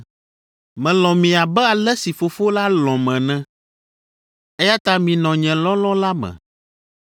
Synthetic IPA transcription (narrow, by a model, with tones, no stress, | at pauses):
mɛ̃˨lɔ̃˨mĩ˨a˨bɛ˦a˨lɛ˦si˨fo˨fo˦la˦lɔ̃˨mɛ̃˨nɛ̃˦ | ɛ˦ja˦t̪a˦mĩ˨nɔ̃˨ɲɛ̃˨lɔ̃˦lɔ̃˦la˦mɛ̰̃˨